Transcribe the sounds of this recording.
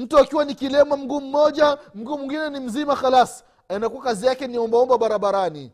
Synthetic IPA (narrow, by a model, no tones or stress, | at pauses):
m̩tuakiwanikilɛmam̩ɡuːm̩mɔʄam̩ɡumiŋɡinɛnim̩zimaxalas | ɛnakuakazijakɛniɔmbaɔmbaɓaɾaɓaɾani